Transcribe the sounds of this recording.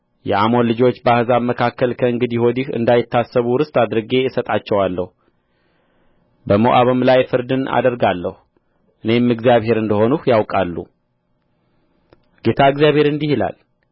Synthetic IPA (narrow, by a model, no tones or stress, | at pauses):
jɛ̰ʔamo̞nlɨd͡ʒo̞t͡ʃːbahɨzaməkʰakːəlkʰəɨŋɡɨd̪iho̞d̪ihɨ̰nd̪ajɪt̪ʰːasːəβuɾɨst̪ʼad̪ɾɨɡe̞sət̪ʼat͡ʃːɛwalːəhu | bəmoʔaβɨmlajfɨɾd̪ɨna̰d̪əɾɡalːəhu | ʔɨne̞mɨɡzjaβhe̞ɾɨnd̪əho̞nuhjawkʼalːṵ | ɡ̥e̞t̪ʰaɨɡzijaβhe̞ɾɨnd̪ihila̰l